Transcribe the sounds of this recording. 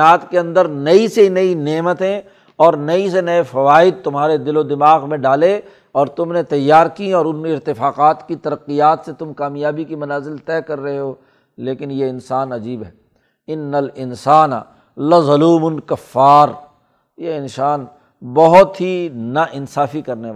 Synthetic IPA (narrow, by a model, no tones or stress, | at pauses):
aːt̪keɐ̃nd̪əɾnɐisenɐineːmət̪ẽ | ɔːɾnɐisenɐefɐʋaːɪd̪̚t̪ʊmɦaːɾed̪ɪlod̪ɪmaːɣmẽɖaːle | ɔːɾt̪ʊmnet̪ɐjːaːɾkiɔːɾʊnɪɾt̪ɪfaːqaːt̪kit̪ɐɾɐqːijaːt̪set̪ʊmkaːmijaːbikimɐnaːzɪlt̪ɛːkɐɾːɐɦeɦoː | leːkɪnjeɪnsaːnɐd͡ʒiːbɦɛː | ɪnːɐlɪnsaːnɐ̰ | lɐzʊluːmʊnkɐfːaːɾ | jeɪnsaːn | bɐɦʊt̪ɦinɐʔɪnsaːfikɐɾnea